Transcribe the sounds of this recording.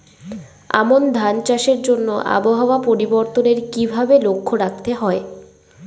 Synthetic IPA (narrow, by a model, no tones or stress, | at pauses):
a̰mond̪ʱant͡ɕaʃeɾd͡ʑonːoʔa̰boɦaoapoɾiboɾt̪oneɾkibʱabelokʰːoɾak̚t̪eɦɔe